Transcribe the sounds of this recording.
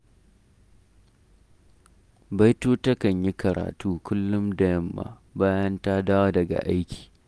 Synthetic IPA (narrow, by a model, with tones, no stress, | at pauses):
ba˦jtuː˦tɐ˦kɐ˨ɲji˦kɐ˨ɾa̰ː˨tuː˦kʷʊ˦lːʊ˦mdɐ˨jɐ˦mːa̰˨ | baː˦jɐ˦nta˦daː˦wa˦dɐ˨ɡa̰˨ʔa˦jkʲi̥ː˨